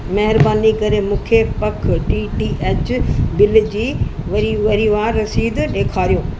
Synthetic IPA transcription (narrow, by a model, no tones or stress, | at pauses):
mɐɦɪɾbaːnikɐɾemũːkʰepɐkʰʈiːʈiːʔeːt͡ɕbɪld͡ʑiːʋɐɾiʋɐɾiʋaːɾːɐsiːd̪ɗeːkʰaːɾijõː